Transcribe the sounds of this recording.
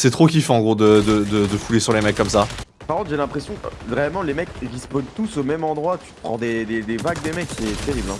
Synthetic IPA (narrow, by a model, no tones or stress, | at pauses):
sɛt̪χok̬ʲifɛ̃ɑ̃ɡʁod̪əd̪əd̪əd̪əfulesyʁlemɛkːɔmsa | paʁkɔ̃t̪ʒelɛ̃pχesjɔ̃kvʁeɛlmɑ̃lemɛkʁispod̪t̪usomɛmɑ̃d̪ʁwat̪y̥pχɑ̃d̪ed̪ed̪evaɡ̚d̪emɛksɛt̪eʁiblɛ̃